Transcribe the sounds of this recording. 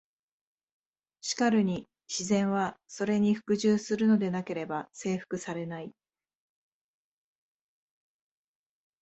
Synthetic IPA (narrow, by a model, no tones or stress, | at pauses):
ɕi̥kaɾɯ̟ɲ̟i | ɕizẽ̞ɰ̃βaso̞ɾe̞ɲ̟iɸɯ̟̥kɯ̟ʑɨːsɨɾɯ̟no̞d̪e̞nake̞ɾe̞base̞ːɸɯ̟̥kɯ̟saɾe̞nai